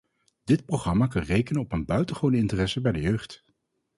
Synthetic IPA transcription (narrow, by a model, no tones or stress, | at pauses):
d̥ɪt̚proχrɑmaːkɑnrejkənənɔpənbœɥtəχownəɪntərɛsəbɛjdəjøɥχt